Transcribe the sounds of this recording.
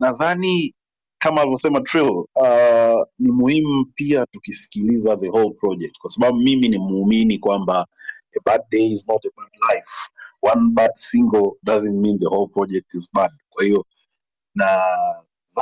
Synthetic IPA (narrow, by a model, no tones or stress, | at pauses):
naðani | kamalivɔsɛmatʰɹilanimuhim̩piatukifi̥kilizaðəɦolˠpɹɔd͡ʒɛk̚tkwasaɓaɓumiminimːminikwambaɛbad̚deɪiznɔtəbadlajfwanbadsiŋɡəlˠdazɛ̃ntmĩnðəholˠpɹɔd͡ʒɛk̚tizbad̚kwahiɔ | na | ð